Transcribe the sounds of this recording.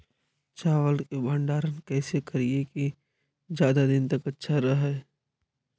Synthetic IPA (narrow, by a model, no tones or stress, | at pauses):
t͡ʃaːʋəlkebʱə̃ɳɖaːɾənkɛːsekɐɾieki | d͡ʒjaːd̪ad̪ɪnt̪ɐkɐtːʃʰaɾɐɦɛː